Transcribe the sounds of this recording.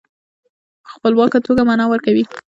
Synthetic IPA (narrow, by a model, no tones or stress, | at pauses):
pə̥xpəlwɑkat̪oɡamanɑwəɾkawi